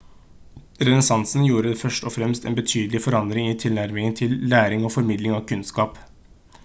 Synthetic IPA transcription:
ɾɛnɛsɑnsn̩juːɾəfœʂʈɔfɾɛmst̪ɛ̰ːnbət̪ʰyːd̪əlɪfɔɾɑnd̪ɾɪŋɪːt̪ʰɪlnæɾmɪŋənt̪ʰɪlːæːɾɪŋoːfɔɾmɪd̪lɪŋɑːʋkʰʉnskɑːp

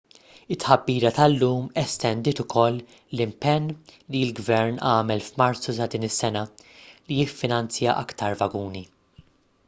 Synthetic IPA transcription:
ɪt̪ːħɐbːiːɾɐt̪ɐlːuːmɛst̪ɛnd̪ɪːt̪ʊkʰɔlː | lɪmpɛnːlilɡvɛɾnɐːmɛlfmɐɾt͡susɐd̪iːnɪsːɛnɐlijɪfːɪnɐnt͡sjɐʔɐ̰kt̪ɐɾvɐɡuːni

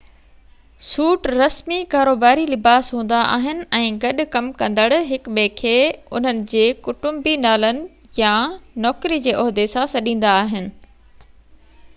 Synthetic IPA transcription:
suːʈɾɐsmikaːɾoːbaːɾilɪbaːsɦũːn̆d̪aʔa̰ːɦɪnɪ̆ɛ̃ːɡɐɗʊ̆kɐmkɐ̃nd̪əɽɦɪkɓeːkʰeːʊ̰n̤ənɪ̆d͡ʑeːkʊʈʊ̃mbinaːlənɪ̆ | janɔːkɾid͡ʑeːʔɔɦd̪esãsɐɗĩːn̆d̪aːɦɪnɪ̆

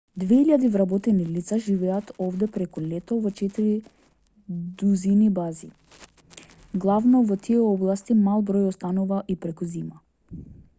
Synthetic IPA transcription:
d̪vɛiʎʲad̪ivɾabɔt̪ɛnilit̪saʒivɛat̪ɔvd̪ɛpɾɛkulɛt̪ɔvɔt͡ʃɛt̪iɾi | d̪uzinibazi | ɡlˠavnɔvɔt̪ʰiɛɔblˠast̪imalˠbɾɔjɔst̪anuvaʔipɾɛkuzima

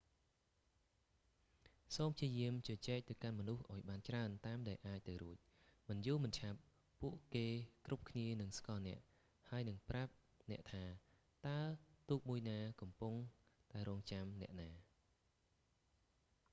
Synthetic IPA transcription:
soːmpʰt͡ɕiəjiəmt͡ɕɑt͡ɕɛːk̚t̪ɨwkanmɔnuhʔaɔjɓaːnt͡ɕraənt̪aːmɗaɛlʔaːc̚t̪ɨwɾuəc̚ | mɨnjʊːlmɨnt͡ɕʰap̚ː | uəʔkeːkrup̚kʰniənɨŋskɑːnɛ̆əʔ | haəjnɨŋprap̚ | nɛ̆əʔt̪ʰaː | t̪aət̪uːk̚muəjnaːkɑmpuŋt̪aɛɾɔːŋt͡ɕamnɛ̆əʔnaː

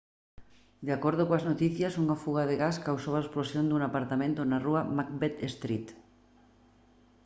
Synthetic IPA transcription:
d̪eakoɾð̞okõaznot̪iθjasuŋafuɣaðeɣaskawsowaesplosjond̪uŋapaɾt̪amẽnt̪onaruamak̚bet̪est̪ɾit̪

